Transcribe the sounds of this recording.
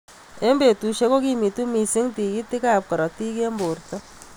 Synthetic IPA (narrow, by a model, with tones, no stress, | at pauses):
e˦mbe˨tu˨ʃe˦ko˦ki˦mi˨tu˦mi˨sɪ˦ŋti˨ki˦ti˦ka˦˨p̚kɔ˨ɾɔ˨ti˦ke˦mbo˨ɾtɔ˦